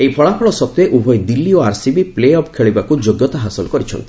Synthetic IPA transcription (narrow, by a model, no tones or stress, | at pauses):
ejpʰɔɭapʰɔɭɔsɔb̚t̪eʔubʱɔjd̪ilːioaɾsibipleɔpkʰeɭibakud͡ʒoɡjɔt̪aɦasɔlɔkɔɾit͡ʃʰɔ̰nt̪i̥